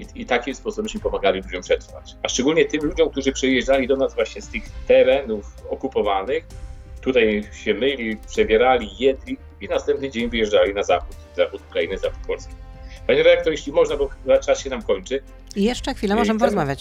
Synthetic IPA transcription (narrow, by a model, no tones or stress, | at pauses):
iit̪akʲispɔsubɛmɕmʲipɔmaɡalʲilud͡ʑɔmpʂɛt̪rfa̰t͡ɕaʂt͡ʂɛɡulɲɛt̪ɘmlud͡ʑɔmk̚t̪uʐɘpʂɛjɛʐdalʲid̪ɔnazvwaɕɲɛst̪ɘxt̪ɛɾɛnufɔkupɔvanɘxt̪ut̪ajɕɛmɘlʲipʂɛbʲjɛɾalʲijɛd̪lʲi | inast̪ɛmpnɘd͡ʑeɲvɘjɛʐd͡ʐalʲinazaxut̪zaxut̪ukɾainɘzaxut̪̚pɔlskʲi̥paɲɛɾɛd̪ak̚t̪ɔɾjeɕlʲimɔʐnabɔzat͡ʂasɕɛnamkɔɲt͡ʂɘ | ijɛʂt͡ʂɛxfʲilɛmɔʐɛmpɔɾɔzmavʲjat͡ɕ